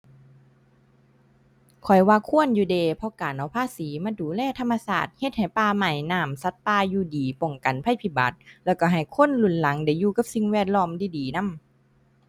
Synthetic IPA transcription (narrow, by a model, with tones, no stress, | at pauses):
kʰɔ˨˩jwaː˧kʰu˧˥˨ə˨njuː˧deː˧pʰɔ˧kaː˨˩nʔa˨˧˩wpʰaː˧˨siː˨˦maː˧˥duː˨˦lɛː˧˩˨t̪ʰa˧mːa˧saː˧˩t̪̚he˧˦t̪̚ha˨˩jpaː˧ma˧˩jnaː˧˩msa˧˥t̪̚paː˧juː˧diː˨˦po˨˩ŋka˨˩npʰa˧˩˨jpʰi˧˩ba̰˨˦t̪̚lɛː˧˩wka˧˩ɦa˨˩jkʰo˧˥˨nlu˨˧˩nla˨˦ŋda˧˩˦jːuː˧ka˧˦p̚si˧ŋwɛː˧˩t̪̚lɔː˧˥˨mdiː˧˩diː˨˩na˧˥˨m